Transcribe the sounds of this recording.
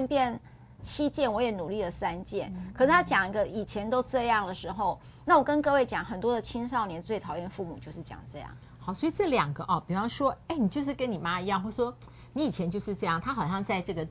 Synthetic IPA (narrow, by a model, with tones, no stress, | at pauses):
npjɛ˥˩n | t͡ɕʰi˥t͡ɕjɛ˥˩nwɔ˧˥jɛ˨˩˦nu˨˩li˥˩lə˩sa˥nt͡ɕjɛ̰˥˩nkʰə˨˩ʂɻ̩˥˩t̪ʰa˥t͡ɕjɑ˨˩ŋ˩ɡə˦i˨˩t͡ɕʰjɛ˧˥nt̪o˥ʊʈ͡ʂɤ˥˧jɑ˥˩ŋd̪ə˩ʂɻ̩˧˥xo˥˧ʊ | na˥˩wɔ˨˩kə˦˥nkɤ˥˧we˥˩ɪt͡ɕjɑ˨˩ŋxə˨˩nt̪wɔ˥d̪ə˨t͡ɕʰi˥nʂɑ˥˩ʊnjɛ˧˥nt͡swe˥˩ɪt̪ʰɑ˨˩ʊjɛ˥˧nfu˥˩mu˨˩t͡ɕjo˥˧ʊʂɻ̩˥˩t͡ɕjɑ̰˨˩ŋʈ͡ʂɤ˥˧jɑ̰˥˩ŋ | hɑ˨˩ʊswɔ˧˥i˨˩ʈ͡ʂɤ˥˩ljɑ˨˩ŋɡə˦ʔɔ˥˩pi˨˩fɑ˥˩ʂwɔ˥e˥˩ɪni˨˩t͡ɕjo˥˧ʊʂɻ̩˥˩kə˦˥ni˨˩ma˦˥i˧˥jɑ˥˧ŋxwɔ˥˩˥ʂwɔ˥ | ni˧˥i˨˩t͡ɕʰjɛ˧˦nt͡ɕjo˥˧ʊʂɻ̩˥˧ʈ͡ʂɤ˥˧jɑ˥˩ŋt̪ʰa˥xɑ˨˩ʊɕjɑ˥˧ŋt͡sa˥˧ɪʈ͡ʂɤ˥˩ɡə˩